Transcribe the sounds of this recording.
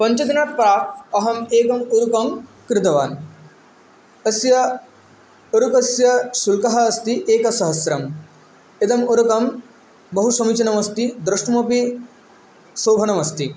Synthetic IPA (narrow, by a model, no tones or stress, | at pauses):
pɐ̃ɲt͡ʃɐd̪inat̪̚pɾaːɐɦɐmeːkɐmuɾukɐm | kɾɪt̪ɐʋa̰ːn | ɐsjɐ | oɾukɐsjɐsulkɐɦɐːst̪iʔeːkɐsɐɦɐsɾɐm | et̪ɐmuɾɐkɐm | bɐɦusɐmit͡ʃɐnɐmɐst̪id̪ɾɐʂʈɐmopi | soːbʱɐnɐmɐst̪i